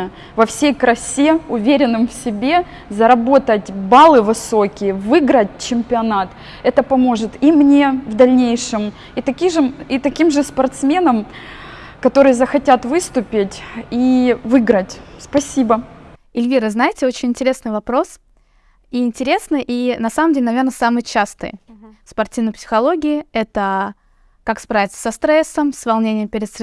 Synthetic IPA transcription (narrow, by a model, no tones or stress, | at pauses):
ə | vɐfsʲejkɾɐsʲeʊvʲeɾʲɪnːɨmfsʲɪbʲe̞ | zɐɾɐbo̞t̪ətʲbalˠɨvɨso̞kʲɪjəvɨɡɾət̚ʲt͡ɕɪmʲpʲɪɐnat̪ | ɛt̪əpɐmo̞ʐɨt̪imnʲe̞vd̪ɐlʲnʲejʂɨm | it̪ɐkʲiʐɨit̪ɐkʲimʐɨspɐrt̪smʲe̞nəm | kɐt̪o̞ɾɨjəzəxɐtʲat̪vɨst̪ʊpʲɪtʲivɨɡɾətʲspɐsʲibə | ɪlʲvʲiɾəznajɪtʲɪo̞t͡ɕɪnʲɪnʲtʲɪɾʲe̞snɨjvɐpɾo̞s | iɪnʲtʲɪɾʲe̞snɨjʔinɐsaməmdʲelʲnɐvʲernəsamɨjt͡ɕast̪ɨ̰jspɐrtʲivnəpsʲɪ̥xɐlˠo̞ɡʲɪɪɛt̪ə | kakspɾavʲɪt̪sə̥sɐst̪ɾɛsːəmsvɐlˠnʲenʲɪjəmpʲɪɾʲɪd̪s